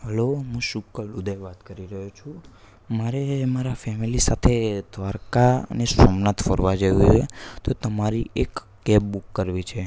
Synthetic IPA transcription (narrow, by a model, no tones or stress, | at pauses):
ɦəloɦũʃukːəlud̪ʱeʋat̪kəɾiɾəɦot͡ʃʰũ | maɾemaɾafɛmilisat̪ʰed̪ʱʋaɾkanesəmnat̪fə̰ɾʋad͡ʒəʋuet̪ot̪əmaɾiek | ɡɛbbukːəɾʋit͡ʃʰe